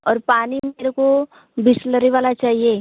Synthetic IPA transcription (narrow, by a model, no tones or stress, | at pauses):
ɔːɾpaːnimeːɾeko | bɪsləɾiʋaːlat͡ʃaːɦieː